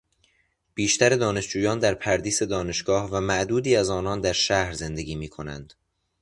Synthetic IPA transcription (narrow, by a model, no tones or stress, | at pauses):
b̥iːʃt̪ʰæɾe̞d̪ɒːne̞ʃd͡ʒuːjɒːnd̪æɾpʰæɾd̪iːse̞d̪ɒːne̞ʃɡɒːhvæmæʔd̪uːd̪iːæzɒːnɒːnd̪æɾʃæhɾze̞nd̪e̞ɡiːmiːkʰo̞næ̰nd̪̥